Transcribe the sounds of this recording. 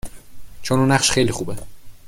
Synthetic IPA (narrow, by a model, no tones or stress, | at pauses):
t͡ʃʰonuːnæχʃxejlixuːbe